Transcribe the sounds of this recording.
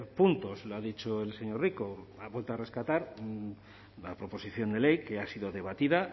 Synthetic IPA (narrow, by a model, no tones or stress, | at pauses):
punt̪o̞sloaðit͡ʃoe̞lse̞ɲo̞rrikoaβwelt̪oare̞skat̪aɾ | lapɾo̞po̞siθjo̞nd̪e̞le̞jke̞asiðo̞ðe̞β̞at̪iða